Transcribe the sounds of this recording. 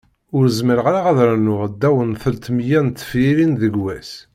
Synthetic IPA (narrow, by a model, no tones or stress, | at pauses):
ʊɾəzməɾʁaɾaʁæðɾænʊʁd̪ːæwənθəlt̪mjænt̪ːfiɾinðəɡwæs